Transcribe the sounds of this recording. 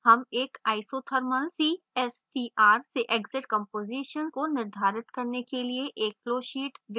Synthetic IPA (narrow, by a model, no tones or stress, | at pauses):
hɐmeːkaːɪsoːt̪ʰəɾməlsiː | ɛːsʈiːaːɾseʔɛɡzɪʈkə̃mpoːziːʃənkonɪɾd̪ʱaːɾɪt̪kɐɾnekelieʔeːk̚loːʃiːʈʋɪ